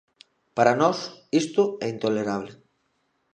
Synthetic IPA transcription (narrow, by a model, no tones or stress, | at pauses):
paɾanɔsist̪ʊɛint̪oleɾaβ̞le